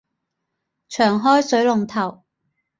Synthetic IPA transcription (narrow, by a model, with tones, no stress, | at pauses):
t͡ʃʰœː˨˩ŋɦɔː˥jsɵ˨˥ɥlʊ˨ŋt̪ʰɐ˨˩w